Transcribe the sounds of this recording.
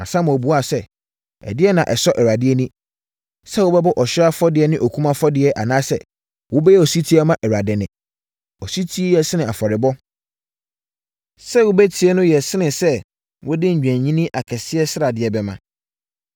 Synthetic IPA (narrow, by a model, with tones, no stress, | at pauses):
nã̰˨sã˦mã˨ɔ˨bu˨˦a˦˨sɛ˦˨ | ɛ̰˨dɪ˦ɛ˦nã˨ʔɛ˨sɔ˦ʔɛ˨ɾa˨dɪ˦ɛ˦nĩ˦ | sɛ˦wʊ˦bɛ˦bɔ˦ʔɔ˨ɕᶣɪ˦a˦fɔ˦dɪ˨ɛ˨˦nɪ̃˦ʔo˨kʰũ˦mã˦fɔ˦dɪ˨ɛ˨ʔa˨nãː˦sɛ̰˦ | wʊ˦bɛ˦jɛ˦ɔ˨si˦tʰi˦a˦mã˦ʔɛ˨ɾa˨dɪ˨nɪ̃˨ | ɔ˨si˦tʰi˦e˦jɛ˨sɪ˦nɪ̃˨a˨fɔ˨ɾɪ˨bɔ˦ | sɛ˦wʊ˦bɛ˦tʰi˨˦ɛ˦nʊ̃˦jɛ˨sɪ˦nɪ̃˨sɛ˦ | wʊ˦dɪ˦ɲ̩˨d͡ʑᶣæ̃˨ɲĩ˦nĩ˦ʔa˨kʰɛ˨sɪ˦ɛ˦sɪ˦ɾa˨dɪ˨ɛ˨bɛ˨mã˨